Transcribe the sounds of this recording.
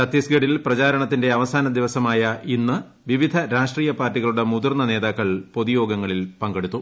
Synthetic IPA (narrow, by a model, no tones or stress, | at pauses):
sɐt̪ːisɡɐɽilprɐt͡ɕaːɾɐɳɐt̪ːinde̞ɐʋɐsaːnɐd̪iʋɐsɐmaːjɐʔinːɨ | ʋiʋid̪ʱɐɾaːʂʈriːjɐpaːrtːiɣɐɭuɽe̞mud̪urnːɐne̞ːðaːkːɐɭpo̞ðijo̞ːɡɐŋːɐɭilpɐŋɡe̞ɽut̪ːu